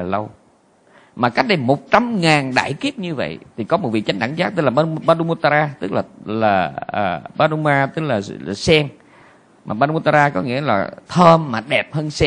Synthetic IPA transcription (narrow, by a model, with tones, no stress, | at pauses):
lə˧w | maː˨˩ka˦˥k̟̚ɗə˧jmo˨˩t̚t͡ɕa˧mŋaː˨˩nɗa̰ː˧˩˨jki˦˥əp̚ɲɨ˧və̰˧˨jt̪ʰi˨˩kɔ˨˦mo˨˩vḭ˧˨t͡ɕa˨˦ŋ̟ʔa̰˧˩ŋzaː˦˥t̪ə˧˦laː˨˩ɓa˨˦˧ɓa˧ɗu˧mu˧t̪aː˧ɾaː˧t̪ɨ˦˥k̚laː˨˩laː˨˩əː˨˩ɓaː˨˦ɗu˧maː˧t̪ɨ˦˥k̚laː˨˩laː˨˩sɛ˧ŋ | maː˨˩ɓaː˧ɗu˧mu˧t̪aː˧ɾaː˧kɔ˨˦ŋḭ˧˥əlaː˨˩t̪ʰəː˧mːaː˨˩ɗɛ˨˩p̚həː˧nsɛ˧